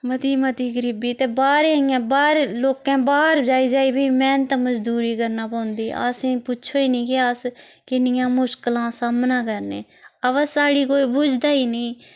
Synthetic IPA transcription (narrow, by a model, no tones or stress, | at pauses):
mət̪iːmət̪iːɡəɾɪbiːt̪eːbaːɾeːãːbaːɾeloːkẽːbaːɾd͡ʒaːiːd͡ʒaːiːbʱiːmɛ̃ːnt̪aməd͡ʒd̪uːɾiːkəɾnaːpəːnd̪iːʔa̰ːsẽːpʊt͡ʃʰoːiːnĩːkɪaːs | kɪnɪjãːmʊʃklãːsaːmnãːkəɾnḛː | əʋəsaːɽiːkoːiːbʊd͡ʒʰd̪aːiːnĩː